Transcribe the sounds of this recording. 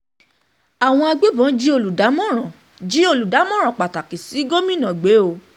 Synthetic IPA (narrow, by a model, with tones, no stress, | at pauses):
a˨w̃ɔ̃˧a˧ɡ͡be˦bɔ̃˨˦d͡ʒi˦o˧lu˨da˨˦mɔ̃˦ɾ̃ã˨ | d͡ʒi˨˦o˧lu˨da˨˦mɔ̃˦ɾ̃ã˨k͡pa˨ta˨ki˨si˨˦ɡo˦mĩ˦nã˨ɡ͡be˨˦o˧